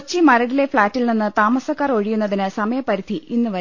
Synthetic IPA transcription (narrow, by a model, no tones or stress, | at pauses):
t͡ɕːimɐɾɐɽile̞fɭaːtːilninːɨt̪aːmɐsɐkːaːro̞ɻijunːɐðinɨsɐmɐjɐpːɐɾid̪ʱiʔinːɨʋɐ